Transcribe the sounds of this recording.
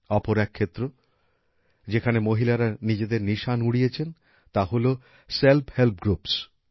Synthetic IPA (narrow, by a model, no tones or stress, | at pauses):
ɔpoɾɛkʰːet̪ːɾo | d͡ʑekʰanemoɦilaɾanid͡ʑed̪eɾniʃanuɽijet͡ɕʰen | t̪aɦolo | selphelp̚ɡɾups